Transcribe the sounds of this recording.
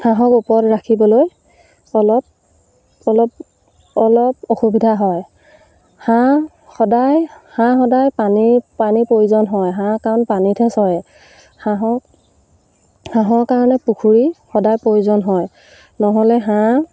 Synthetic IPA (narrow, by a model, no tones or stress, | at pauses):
hãɦɔkupɔtɹakʰibɔloj | ɔlɔp̚ | ɔlɔp | ɔlɔpoxubidʱaɦɔj | hã | xɔdajhãxɔdajpanipanipɹojuzɔnɦɔjɦãkaɔnpanitʰɛsɔɛ | hãɦɔ | hãɦɔɹkaɹɔnɛpukʰuɹixɔdajpɹojuzɔnɦɔj | nɔɦɔlɛɦã